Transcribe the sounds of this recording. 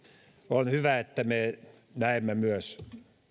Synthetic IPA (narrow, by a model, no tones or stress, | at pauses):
onhyʋæet̪ːæme | næemːæmyøs